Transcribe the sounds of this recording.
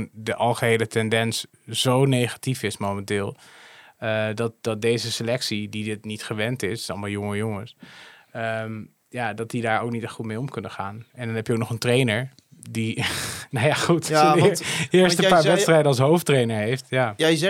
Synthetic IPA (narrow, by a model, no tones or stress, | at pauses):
ndəʔɑlˠχəɦejlətɛndɛns | z̥ownejχḁtifɪsmomɛntɪːlˠ | ədɑt̚dɑt̚dejzəsəlɛksididɪtnitχəʋɛntɪssɑlˠmalˠjʊŋəjʊŋəs | əm | jadɑt̚didaːɹowk̚nitɛχutmejɔmkɵnəχaːnɛndɑnɦɛpjəowknɔχəntrejnəɹ | dinajaχut | ɪɹstəpaːɹʋɛtstrɛjdəɑlˠs̬ɦowftrejnəɹɦejftja